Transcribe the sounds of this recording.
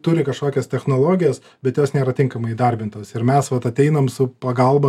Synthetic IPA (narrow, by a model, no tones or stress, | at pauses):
t̪ʊɾʲɪkɐʃkoːkʲɛst̪ʲɛxnoːlˠoːɡʲɪjoːs | bʲɛt̪joːsnʲeːɾɐt̪ʲɪŋkɐmɐɪid̪ɐɾʲbʲɪnt̪oːsɪɾmʲɛsʋɐt̪ɐt̪ʲɛɪnoːmsʊpɐɡɐlˠbɐ